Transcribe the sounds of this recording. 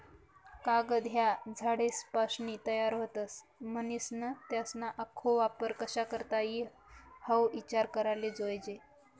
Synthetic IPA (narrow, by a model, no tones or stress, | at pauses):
kaɡəd̪ʱjad͡zʱaɽespaʂɳit̪əjaɾɦot̪əs | mənisnət̪jasnaʔəkʰːoʋapəɾkəɕakəɾt̪aji | həwit͡ɕaɾkəɾaled͡zojd͡ʑe